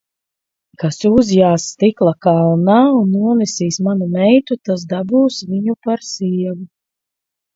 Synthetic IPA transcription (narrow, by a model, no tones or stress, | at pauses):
kasuzjaːsːt̪iklˠakaːlnawnːuɔnisiːsmanumɛjt̪ut̪as̬d̪abuːsviɲupaɾsiɛvu